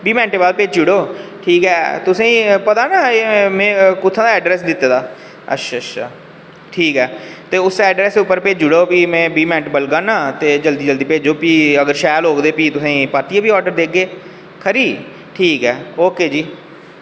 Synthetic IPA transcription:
biːmɛ̃ːɳʈeːbəlpeːd͡ʒd͡ʒʊɽoːʈʰiːkɦɛːt̪ʊsẽːĩːpət̪aːnaːeːmɛ̃ːkʊt̪ʰːãːd̪aɛːɖɾɛːs̬d̪ɪt̪ːaːd̪aː | ə̰tːʃʰaːtːʃʰa̰ː | ʈʰiːkɦɛːt̪eːʊsɛːɖɾɛːsd̪eʊpːəɾpeːd͡ʒd͡ʒʊɽoːpiːmɛ̃ːbiːmɛ̃ːɳʈeːbəlɡaːnãːt̪eːd͡ʒəld̪iːd͡ʒəld̪iːpeːd͡ʒoːpiːəɡəɾʃɛːlɦoːkd̪eːpiːt̪ʊsãːpəɾt̪ijaːbiːɔːɖəɾd̪eːk̚ɡeː | kʰəɾiː | ʈʰiːkɦɛːoːkeːd͡ʒiː

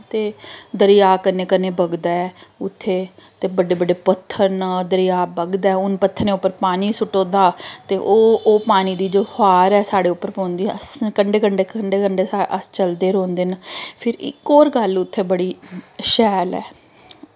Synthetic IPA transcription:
t̪eːd̪əɾɪjaːkəneːkəneːbəɡd̪aːɛːʊt̪ʰːeːt̪eːbəɖeːbəɖeːpət̪ʰːəɾnəd̪əɾɪjaːbəɡd̪aːɛːʊnpət̪ʰːəɾneːʊpːəɾpaːniːsʊʈõːd̪aːt̪eːʔoːoːpaːniːd̪iːd͡ʒoːhaːɾɛːsaːɽeːʊpːəɾpõːnd̪iːəskəɳɖeːkəɳɖeːkəɳɖeːkəɳɖeːaəst͡ʃəld̪eːɾõːnd̪eːnpʰɪɾɪ̰koːɾɡəlʊt̪ʰːeːbəɽiːʃɛːlɛ̰ː

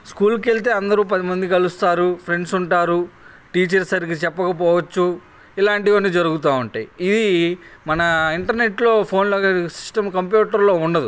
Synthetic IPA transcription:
skuːlke̞ɭt̪e̞ːɐnd̪ɐɾuːpɐd̪imɐnd̪ikɐlust̪aːɾupʰɾe̞ɳɖsuɳʈaːɾu | ʈiːt͡ʃɐɾsɐɾik̬it͡ʃɛpːɐkɐp̬ɔːʋɐt͡ʃːu | ilaːɳʈiʋɐnːid͡ʒɐɾuɡut̪aːuɳʈaːjid̪imɐnɐiɳʈɐɾne̞ʈlo̞ːpʰo̞ːnloːsi̥ʂʈɐmkɐmpjuːʈɐɾlo̞uɳɖɐd̪u

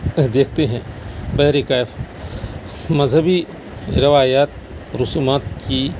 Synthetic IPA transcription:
d̪eːkʰt̪eɦɛ̃bɐɦɾikaːf | mɐzɦəbi | ɾɪʋaːjaːt̪̚ | ɾʊsuːmaːt̪ki

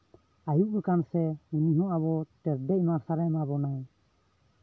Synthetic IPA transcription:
ajuʔɡɛkansɛmuniɦɔ̃ʔaβɔt̪ɛɾdɛc̚maɾsaɾɛmabɔnaj

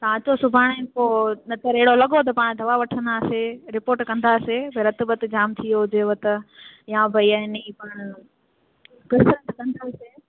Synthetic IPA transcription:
t̪ɐʋãt͡ɕosʊbʱaːɽ̃ẽkonɐt̪əɾeɪɽolɐɠot̪̬ɐpaːɽ̃d̪ʱɐʋaʋɐʈʰə̃nd̪aːseɾɪpoːɾʈkɐ̃nd̪aːsebɐɾɐt̪bət̪d͡ʑaːmt̪ʰijod͡ʑeːʋɐt̪ɐjãbʱɐiaːɪniːpaːɽ̃ʊ | kɐɾsɾə̃nt̪kɐ̃nd̪aseː

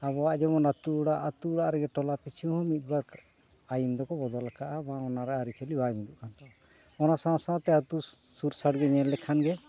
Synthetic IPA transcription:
aβɔaʔd͡ʒɛβɔnat̪uɽaʔat̪uɽaʔɾɛɡɛʈɔlapit͡ʃʰihɔ̃mit̪̚ˀbak | ajind̪ɔkɔbɔd̪ɔlakaʔabãɔnaɾaʔaɾit͡ʃalibajmid̪uʔkant̪a | ɔnasãsaat̪ɛat̪u | suɾsaɽɡɛɲɛllɛkʰanɡɛ

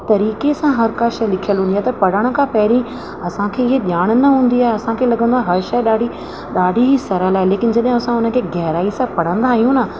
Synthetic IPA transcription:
t̪ɐɾiːkesãɦɐɾkaːʃəlɪkʰijəlɦũːnd̪iaɦt̪ɐpɐɽ̤əɽ̃ə̆kʰãpɐɦɪɾĩ | ɐsãkʰeːɪɦeɗjaːɽ̃nɐɦũːn̆d̪iaːɦeɐsãkʰeːlɐɡʱə̃nd̪oaːɦeɦɐɾʃɐjɗaːɖʱi | ɗaːɖʱiɦisɐɾəlaːɦeleːkɪn̆d͡ʑɐɗɦɪ̃ɐsãʊnə̆kʰeːɡɛɦɾaːisãpɐɽ̤ə̃nd̪aːɦijũna

